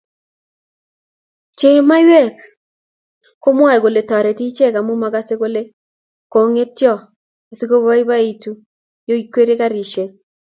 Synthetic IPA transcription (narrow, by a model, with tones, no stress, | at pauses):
t͡ʃe˨˦ma˦jwɛ˦˨k | ko˦mwa˦˨ɡo˨le˨ta˨ɾe˨ti˦t͡ʃe˦˨ka˨mu˦ma˨ɡa˦se˦ɡo˦le˦ | ko˨ŋe˦tjɔ˦˨ | e˨si˦ko˦ba˦i˦ba˦i˨tu˦ | jo˦i˨˦kwe˦ɾe˦ka˦ɾi˨ʃe˨